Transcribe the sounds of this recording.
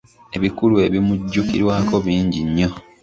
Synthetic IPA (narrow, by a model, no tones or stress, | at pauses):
e̞βikulue̞βimuɟːukḭɾwaːko̞βiːɲɟiɲːo̞